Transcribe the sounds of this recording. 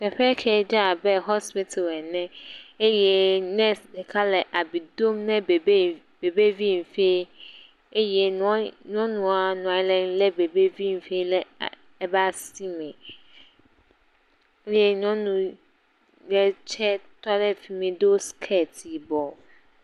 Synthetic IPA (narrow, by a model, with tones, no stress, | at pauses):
pʰɛ˨ɸɛ˦kʰɛ˨˦d͡ʑa˦a˨bɛ˦ɦɔ˦spi˦tʰe˨lɛ˨nɛ̃˦e˦jɛ˨nɛ̃˦dɛ˨kʰa˦lɛ˨ʔa˨bi˨dõ˦mnɛ̃˦bb | be˨be˦vi˦m̩˨fe˦ | e˦jɛ˨n˦nɔ̃˦nũ˨a˨nʊ̃˨ã˨ɲ˦lɛ̃˨n˦lɛ˦be˨be˦vi˦m̩˨fe˦i˦lɛ˦˨˦ | ba˦si˦mɛ̃˨˦ | lɛ˦n˦ɔ̃˦nũ˨ | jɛ˦t͡ɕʰɛ˦tʰɔ˦lɛ˦fi˨mĩ˨do˦skʰɛ˦˨tʰi˨bɔ˨